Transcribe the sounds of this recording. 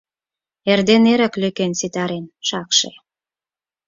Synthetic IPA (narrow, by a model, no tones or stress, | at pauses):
erd̪eneɾə̆klykensit̪ɑɾenʃɑkʃḛ